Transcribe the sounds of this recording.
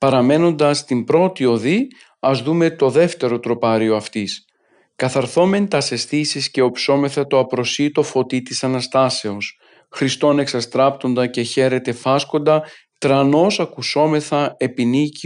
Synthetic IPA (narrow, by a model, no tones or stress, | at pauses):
pɐɾɐme̞no̞nd̪ɐst̪imbɾo̞t̪io̞ði | ɐzðume̞t̪o̞ðe̞ft̪e̞ɾo̞t̪ɾo̞pɐɾio̞ɐft̪is | kɐθɐɾθo̞me̞nt̪ɐse̞sθisisce̞o̞pso̞me̞θɐt̪o̞ɐpɾo̞sit̪o̞fo̞t̪it̪isɐnɐst̪ɐse̞o̞s | xɾist̪o̞ne̞ksɐst̪ɾɐpt̪o̞nd̪ɐce̞çe̞ɾe̞t̪e̞fɐsko̞nd̪ɐ | t̪ɾɐno̞sɐkuso̞me̞θɐe̞pinici